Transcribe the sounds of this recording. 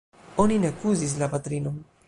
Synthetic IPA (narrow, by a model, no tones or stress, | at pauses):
oninekuzis̬lapat̪ɾinom